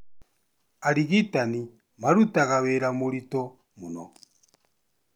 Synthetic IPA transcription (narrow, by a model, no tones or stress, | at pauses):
aɾiɣitani | maɾutaɣaβeɾamoɾitɔ | munɔ̰